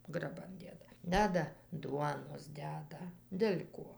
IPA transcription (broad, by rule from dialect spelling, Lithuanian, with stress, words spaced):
ɡrɐˈbɐn ˈdʲeːdɐ ˈdʲæːdɐ ˈduɔnoːs ˈdʲæːdɐ dʲɛlʲ ˈkuɔ